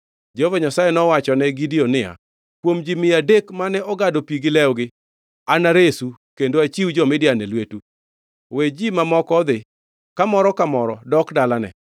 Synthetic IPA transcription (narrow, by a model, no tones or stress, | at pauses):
d͡ʒvaɲasajenɔwat͡ʃɔnɛɡidionɪja̰ | kwomd͡ʒimɪadekmanɛɔɡadopiɡɪlɛɔɡɪ | anaɾesukendoat͡ʃiwd͡ʒɔmɪdɪjanɛlwetu | wed͡ʒimamɔkɔd̪ɪ | kamɔɾɔkamɔɾɔdɔkdalanɛ̰